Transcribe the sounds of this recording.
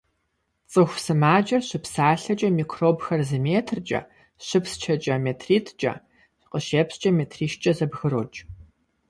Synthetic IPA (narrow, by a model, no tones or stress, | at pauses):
t͡sʼɨxʷsɨmaːd͡ʒʼɐrɕɪpʰsaːɬɐt͡ʃʼɐmiːkʰroːbxɐrzɐmeːtʰrt͡ʃʼɐ̰ | ɕʷɪpst͡ʃʰɐt͡ʃʼɐmeːtʰriːtʰt͡ʃʼɐ̰ | qəʃeːpst͡ʃʼɐmeːtʰriːʃt͡ʃʼɐzɐbɣɨɾoːt͡ʃʼ